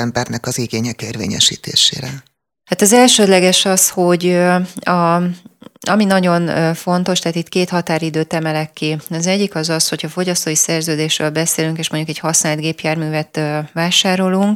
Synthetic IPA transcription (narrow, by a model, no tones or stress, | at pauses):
ɛmbɛrnɛkɒziɡeːɲɛkeːrvḛːɲɛ̰ʃḭːt̪ḛːʃḛːɾɛ | haːt̪ɒzɛlʃøːd̪lɛɡɛʃɒsho̞ɟɒ | ɒminɒɟo̞nːfo̞n̪t̪o̞ʃt̪ɛɦːt̪it̪keːt̪hɒt̪aːɾid̪øːt̪ɛmɛlɛkːiɒzɛɟːikɒzɒsho̞cʰɒfo̞ɟɒst̪oːisɛrzøːd̪eːʃrøːlbɛseːlyŋkeːʃmoɲɟukɛchɒsnaːlt̪ɡeːpjaːrmyːvɛt̪øvaːʃaːɾo̞luŋk̚